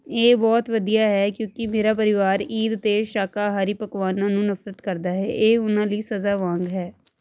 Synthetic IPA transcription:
eːbɔːt̪ʋəd̪ijaːɦɛːkjõːkɪmeːɾaːp̬əɾɪʋaːɾiːd̪t̪eːʃaːkaːɦaːɾiːpəkʋaːnãːnũːnəfɾət̪kəɾd̪aːɦɛ̰ːʔeːʊnãːləiːsəzaːʋãːŋɡɦɛː

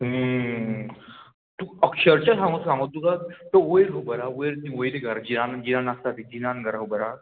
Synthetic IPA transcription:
ɦə | t̪uəkɕəɾt͡ɕasãŋɡosãŋɡot̪ːukat̪əojeɾɦəbəɾaojɾt̪ĩojɾeɡʱəɾd͡ʑinand͡ʑinanast̪at̪id͡ʑinanɡʱəɾɦəbəɾa

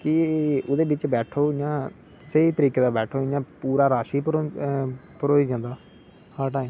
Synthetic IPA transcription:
kɪʊd̪eːbɪt͡ʃbɛːʈʰoːjãː | seiːt̪əɾiːkeːd̪aːbɛːʈʰoːɪjãːpuːɾaːɾaːʃiːpː | pəɾoːiːd͡ʒãːnd̪aː | haːʈaːẽ

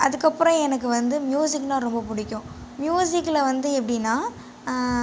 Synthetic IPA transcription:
ʔɐðɯkːɐpːɯɾɔ̃ɛnɐk̬ːɯʋɐnd̪ɯmjuːsɪkːnãːɾɔmbɐpʊɽɪkːʊ̃ | mjuːsɪkːɪlɐʋɐnd̪ɯɛpːɐɽɪnːaː

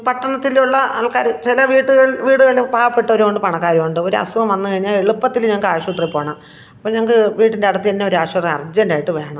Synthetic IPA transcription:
pɐʈːɐɳɐt̪ːiluɭːɐɐlkaːɾt͡ɕilɐʋiːʈːuɣɐɭʋiːɽuɣɐɭpaːʋɐpːe̞ʈːɐo̞ɾuko̞ɳɖɨpɐɳɐkːaːɾjɐmuɳɖɨo̞ɾuɐ̰suɣɐmʋɐnːɨkɐɻiɲːaːɭeɭupːɐt̪ːilɲɐŋɐkːaːʂiuʈːripːoːɐɳɐm | ɐpːoːɲɐŋːɐkːɨʋiːʈːinde̞ɐɽɐt̪ːieinːeo̞ɾaːʂɐrɐɐrd͡ʑɐndaːjiʈːɨʋe̞ːɳɐm

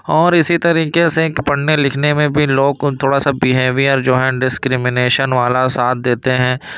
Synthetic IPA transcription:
ɔːɾɪsit̪ɐɾiːkesepɐɽ̤nelɪkʰnemẽbʱiloːɡ̚t̪ʰoːɽasabɪɦeːʋijɔɾd͡ʒoːɦɛ̃ɖɪskɾɪmɪneːʃənʋaːlasaːt̪̚ʰd̪eːt̪eɦɛ̃ː

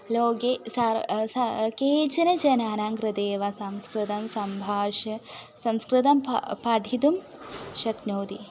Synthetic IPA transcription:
loːɡesasɐkeːd͡ʒɐnɐd͡ʒɐnaːnaːŋɡɾɨd̪eːʋɐsɐmskɾɨt̪ɐmsɐmbʱaːʂɐsɐmskɾɨt̪ɐmppɐɖʱit̪um | ʃɐknoːd̪i

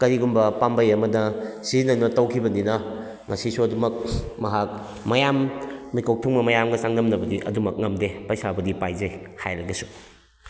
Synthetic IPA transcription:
kɐɾiɡumbɐpambɐjɐmɐdɐsinɐnɐtɐwkʰibɐninɐ | ŋɐsisuɐdumɐk̚mɐɦak̚ | mɐjamːikʰow̚tʰuŋmɐmɐjamɡɐsaŋnɐmnɐbɐdiʔɐ̰dumɐk̚ŋɐmdepɐjsabɐdipajzɐjhajɾɐɡɐsu̥

